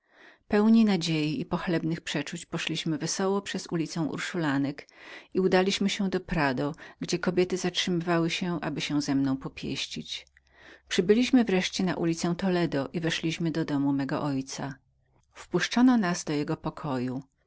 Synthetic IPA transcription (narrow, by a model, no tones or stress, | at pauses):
pɛwɲinad͡ʑejiipɔxlɛbnɘxpʂɛt͡ʂut͡ɕpɔʂlʲiɕmɘvɛsɔwɔpʂɛzulʲit̪sɛ̃w̃ʔṵɾʂulanɛkiud̪alʲiɕmɘɕɛ̃d̪ɔpɾad̪ɔɡd͡ʑɛkɔbʲjɛt̪ɘzatʂɘmɘvawɘɕɛʔa̰bɘɕɛw̃zɛmnɔ̃w̃pɔpʲjḛɕt͡ɕit͡ɕ | pʂɘbɘlʲiɕmɘvɾɛʂt͡ɕɛna̰ʔulʲit̪sɛ̃t̪ɔlɛd̪ɔʔivɛʂlʲiɕmɘd̪ɔd̪ɔmumɛɡɔ̰ʔɔjt̪sa | fpuʂt͡ʂɔnɔnazd̪ɔjɛɡɔpɔkʰɔju